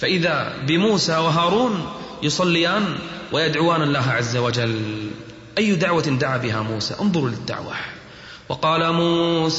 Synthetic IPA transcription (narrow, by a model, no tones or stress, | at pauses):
faʔɪðabɪmuːsawɪɦaːɾˤuːnjʊsˤɑlːɪjaːn | wʔɪjad̪ʕʊwaːnalːaːɦaʕazːawad͡ʒal | ʔajːʊd̪aʕwand̪aʕaːbɪɦamuːsa̰ːʔʊnðˤʊɾlɪd̪ːa̰ʕwa̰ | wɑqɑːlamuːs